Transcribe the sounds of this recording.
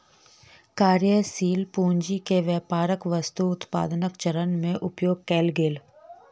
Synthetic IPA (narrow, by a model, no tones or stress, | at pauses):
kaːɾjəsiːlpuːɲd͡ʒikeʋjəːpaːɾəkʋɐst̪uʊt̪pa̰ːd̪nəkt͡ʃəɾənmẽʔʊpjoːɡ̚kɛːlɡeːl